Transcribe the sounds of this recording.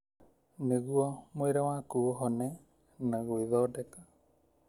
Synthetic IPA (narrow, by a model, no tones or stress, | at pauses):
neɣuɔmojɾawakuɦɔnɛ | naɣoiðɔdɛka